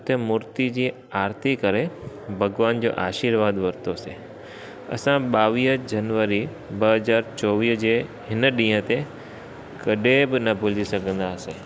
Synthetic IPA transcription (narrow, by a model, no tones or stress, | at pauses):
t̪emʊɾt̪id͡ʑiː | aːɾt̪ʰikɐɾe | bʱɐɡʋaːnd͡ʑo̰ːʔaːʃiːɾʋaːd̪ʋɐɾt̪ose | ɐ̰sãɓaːʋiːd͡ʑɐnʋəɾi | bɐɦɐzaːɾt͡ɕɔːʋiːɦd͡ʑeːɦɪnəɗĩːə̃t̪e | kɐɗebɪnɐbʱʊlisɐɡʱə̃nd̪aːseː